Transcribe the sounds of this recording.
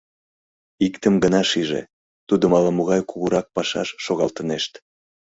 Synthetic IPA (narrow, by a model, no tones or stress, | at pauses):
ikt̪əmɡənɑʃiʒḛ | t̪ud̪omɑlɑmoɣɑjkuɣuɾɑk̚pɑʃɑ̰ʃːoɣɑlt̪əneʃt̪